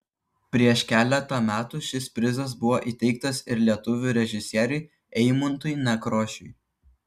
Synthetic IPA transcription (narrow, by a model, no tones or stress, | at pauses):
pʲɾʲiɛʃkʲæːlʲɛt̪ɑmʲæːt̪uʃʲɪspʲɾʲɪzɐs̬bʊʋoːʔit̪ʲɛɪk̚t̪ɐsɪɾlʲiɛt̪ʊʋʲuːˑɾʲɛʒʲɪsʲiɛɾʲʊɪ | ɛɪmʊnt̪ʊjnʲɛkɾoːʃʲʊj